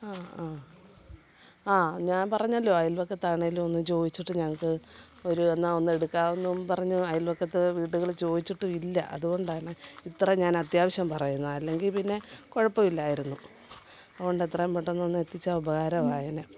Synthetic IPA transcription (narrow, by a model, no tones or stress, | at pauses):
aːaː | aːɲaːnpɐrɐɲːɐlːo̞ːɐjilʋɐkːɐt̪ːaːɳeiluo̞nːɨt͡ɕo̞ːd̪it͡ɕːiʈːɨɲɐŋːɐkːɨ | o̞ɾuenːao̞nːe̞ɽukːaːʋunːumpɐrɐɲːuɐjilʋɐkːɐt̪ːɨʋiːʈːuɣɐɭt͡ɕo̞ːd̪it͡ɕːiʈːuilːɐʔɐ̰ðuɣo̞ɳɖaːɳɨit̪ːrɐɲaːnɐt̪jaːʋɐɕjɐmpɐrɐjunːɐɐlːe̞ŋɡilpinːe̞ko̞ɻɐpːɐmilːaːjiɾunːu | ɐðɣo̞ɳɖet̪ːrɐmpɐʈːenːonːet̪ːit͡ɕːaubɐɣaːɾɐʋaːjɐne